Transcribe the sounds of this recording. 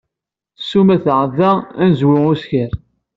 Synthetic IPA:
sːumæθʕəðæænzwʊusçəɾ

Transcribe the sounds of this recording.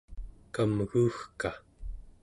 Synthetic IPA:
kamɣuːxka

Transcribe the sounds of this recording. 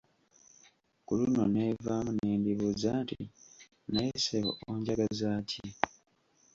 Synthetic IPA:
kulunonevamuneːndiβuzantḭ | najeseβo̰oɲɟaɡazaːci

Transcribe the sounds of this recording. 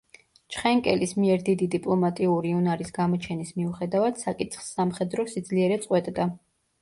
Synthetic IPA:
t͡ʃʰχɛŋkʼɛlismiɛɾd̪id̪id̪ipʼlˠɔmat̪ʼiuɾiunaɾisɡamɔt͡ʃʰɛnismiuχɛd̪avad̪̥sakʼit̪ʰχsːamχɛd̪ɾɔsid̪zliɛɾɛt̪sʼqʼwɛt̪ʼd̪a

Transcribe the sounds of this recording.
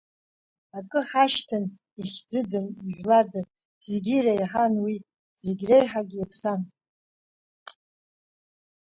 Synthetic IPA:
akʼɨħaʃtʰɨn | iχʲd͡zɨdɨniʒʷᶣlada | zɡʲiɾajħanwi | zeɡʲrejħaɡʲiapʰsan

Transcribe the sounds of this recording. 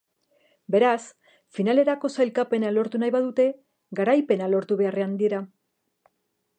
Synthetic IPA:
be̞ɾas | finale̞ɾako̞sajlkape̞nalo̞ɾt̪unajβaðut̪e̞ | ɡaɾajpe̞nalo̞ɾt̪uβe̞are̞and̪ieɾa

